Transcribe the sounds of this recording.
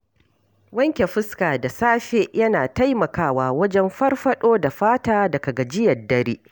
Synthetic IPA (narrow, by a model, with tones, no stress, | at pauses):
wɐ˦ŋkʲe˨ɸɪ˦skaː˨da˨saː˦ɸe˦ʔjɐ˦naː˨ta˦jmɐ˨kaː˦waː˨wɐ˦d͡ʒɛ˦mɸɐ˦rɸɐ˦ɗoː˦da˨ɸaː˦taː˦dɐ˨kɐ˨ɡɐ˨d͡ʒɪ˦jɐ˨rdɐ˦ɾiː˦